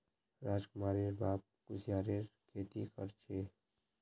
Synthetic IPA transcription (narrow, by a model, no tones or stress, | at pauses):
ɾaːd͡ʒkʊmaːɾeɾbaːp̚kʊsjaːɾeɾkʰeːt̪ikə̰ɾt͡ʃʰeː